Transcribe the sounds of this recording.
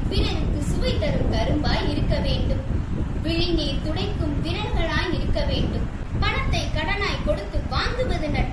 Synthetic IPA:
pɪnɐɾɯkːɯsʊʋɐɪt̪ːɐɾɯmkɐɾɯmbaːjɪɾɯkːɐʋeːɳɖɯmʋɪɻɪniːt̪ʊɽɐɪkːɯmʋɪnɐɾɣɐɭaːjɪɾɯkːɐʋeːɳɖɯm | pɐɳɐt̪ːɐɪkɐɽɐnaːjkɔɽɯt̪ːɯʋaːŋɡ̪ɯʋɐðɯnɐʈ

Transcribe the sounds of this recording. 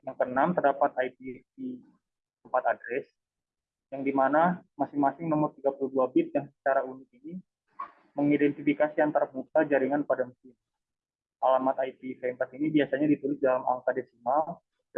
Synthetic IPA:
jaŋpənamt̪ərdapat̪ajpiti | əmpat̪adɾɛs | jaŋdimanamasɪŋmasɪŋməmʊt̪ːiɡapuluduabɪt̪̚jaŋsə̥t͡ʃaɾaunɪk̪̚ini | məŋidɛnt̪ifikasiant̪aɾaut̪ad͡ʒaɾiŋanpadamkɪn | ʔalamat̪ajpifɛəmpat̪inibiasaɲadit̪ulɪsdalama̰ŋkadɛsimal

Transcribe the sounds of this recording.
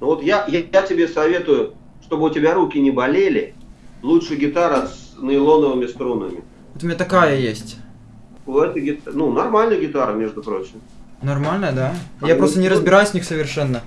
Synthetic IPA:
nʊvot̪jajajatʲɪbʲe̞sɐvʲe̞t̪ʊjʊ | ʂt̪o̞bɨʊtʲɪbʲaɾukʲɪnʲɪbɐlʲelʲɪ | lˠutʂɨjɡʲɪt̪aɾsnəɪlˠonəvɨmʲɪst̪ɾunɨ̰mʲɪ | vot̪ʊmʲɪnʲat̪ɐkajəjesʲtʲ | ɛt̪əɡʲɪt̪nunɐrmalʲnəjɡʲɪt̪aɾəmʲe̞ʐd̪ʊpɾo̞t͡ɕɪmnɐrmalʲnəd̪ajapɾo̞st̪ənʲɪɾəzbʲɪɾajʊsʲnʲixsəvʲɪrʂɛnːə

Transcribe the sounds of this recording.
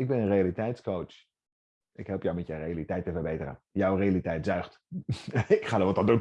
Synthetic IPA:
ɪɡ̚bɛnənrejalitɛjtskowt͡ʃ | ʔɪkɦɛlˠpjɔwmɛtjərejalitɛjtəvərbejtərə̰njɑwrejalitɛjtz̥œɥχt | ɪkχaːdɔtʋɔtɑndun

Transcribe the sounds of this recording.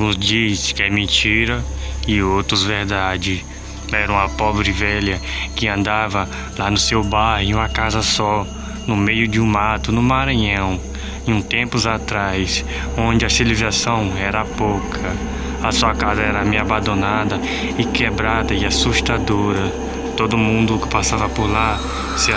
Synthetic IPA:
ũzd͡ʒiɐskɛmẽt͡ʃiɾɐɪowt̪ɾʊzveɾd̪ad͡ʒɪ | ɛɾɐ̃w̃ɐpɔbɾɪvɛʎɐkɪɐ̃nd̪avɐ | lanʊsewbajhɪ̃ũmɐkazɐsɔ | nʊmejʊd͡ʒɪũmat̪ʊnʊmaɾɐ̃ɲɐ̃w̃ | ũt̪ẽpʊzat̪ɾajs | õd͡ʒɪɐsilizasɐ̃w̃ɛɾɐpowkʰɐ | ɐsuɐkazɐɛɾɐmeabɐ̃d̪õnad̪ɐ | ɪkebɾad̪ɐɪasuʃt̪ad̪oɾɐ | t̪od̪ʊmũnd̪ʊkɪ̥pasavɐpʊɾla | sɪ

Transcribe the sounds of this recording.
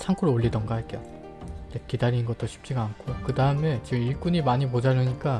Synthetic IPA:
t͡ɕʰaŋkʰuɾooʎːidʌnɡoaɭk͈ejo̰ | nekidaɾinnɡʌt͈oɕʰi̥p̚t͡ɕ͈iɡaːnkʰokɯdaɯme̞t͡ɕiɡɯmiɭk͈uɲimaɲimod͡ʑanɯɲik͈a

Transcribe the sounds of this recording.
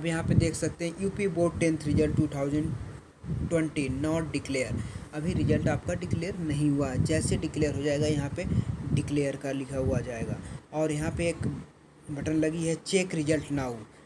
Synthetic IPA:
ɐbjɐɦãped̪eːkʰsɐk̚t̪eɦɛ̃juːpiboːʈːɛ̃nt̪ʰɾɪd͡ʒəlʈʈːuːt̪ʰaːʊzəɳɖ | ʈwɛ̃ɳʈinɔːʈɖɪkleːjəɾɐbʱiɾɪd͡ʒəlʈaːp̚kaɖɪkleːəɾnɐɦĩɦuaɦɛd͡ʒɛːseɖɪkleːjəɾɦod͡ʒaːeːɡajɐɦãpeɖɪkleːjəɾkɐɾlɪkʰaɦuad͡ʒaːeːɡaːɔːɾjɐɦãpeeːk | bʱɐʈənlɐɡiɦɛt͡ʃeːkɾɪd͡ʒəlʈnaːu

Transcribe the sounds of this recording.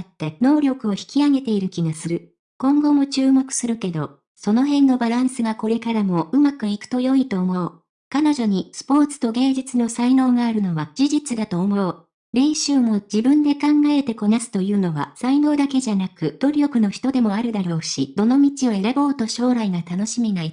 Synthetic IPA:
t̪ːe̞no̞ːɾʲo̞kɯ̟o̞çi̥kʲiaɡe̞t̪e̞iɾɯ̟kʲiɡasɨɾɯ̟ | kõ̞ŋɡo̞mo̞t͡ɕɨːmo̞kɯ̟̥sɨɾɯ̟ke̞d̪o̞ | so̞no̞ɦẽ̞nːo̞baɾãɰ̃sɨɡako̞ɾe̞kaɾamo̞ʔɯ̟makɯ̟ikɯ̟̥t̪o̞jo̞it̪o̞ːmo̞ː | kano̞ʑo̞ɲ̟isɨ̥po̞ːt͡sɨ̥t̪o̞ɡẽ̞ːd͡ʑit͡sɨno̞saino̞ːɡaːɾɯ̟no̞βad͡ʑ̥iʑit͡sɨd̪at̪o̞ːmojoː | ɾẽ̞ɰ̃ɕɨːmo̞d͡ʑibɯ̟̃nd̪e̞kãŋɡae̞t̪e̞ko̞nasɨ̥t̪o̞jɯ̟ːno̞βa̰saino̞ːd̪ake̞ʑanakɯ̟d̪̥o̞ɾʲo̞kɯ̟no̞çi̥t̪o̞d̪e̞mo̞aɾɯ̟d̪aɾo̞ːɕid̪̥o̞no̞mʲit͡ɕioeɾebo̞ːt̪o̞ɕo̞ːɾaiɡat̪ano̞ɕimʲinai

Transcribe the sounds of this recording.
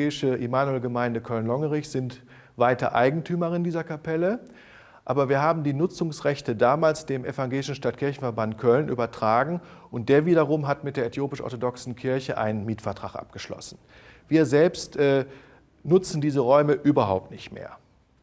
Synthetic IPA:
ɛːɪʃəʔimaːnuɛlɡəmaɪndəkʰœlnlɔŋəʁɪçz̥ɪnt | vaɪtɐ̰ʔa̰ɪɡŋ̩tʰyːmɐʁɪndiːzɐkʰapʰɛlə | ʔaːbɐviːɐɦaːbm̩diːnʊt͡sʊŋsʁɛçtədaːmaːlsd̥eːmʔefaŋɡeːlɪʃn̩ʃtatkʰɪɐçn̩fɛɐbantkʰœlnʔy̰ːbɐtʁ̥aːɡŋ̩ʔʊnt̚d̥eːɐviːdɐʁʊmɦatmɪtd̥eːɐɛetʰjoːpɪʃʔɔ̰ɐtodɔksn̩kʰɪɐçəʔa̰ɪnənmiːtfɛɐtʁ̥aχʔa̰p̚ɡ̥əʃlɔ̰sn̩ | viːɐzɛlpstʔɛː | nʊt͡sn̩diːzəʁɔʏməʔyːbɐɦa̰ʊp̚tnɪçtmḛːɐ

